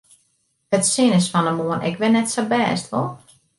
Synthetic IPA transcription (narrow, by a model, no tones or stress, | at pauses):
ətsɪnəsfɔnəmuənɛ̰kʋɪnːɛtsabɛːstʋɔ̰lˠ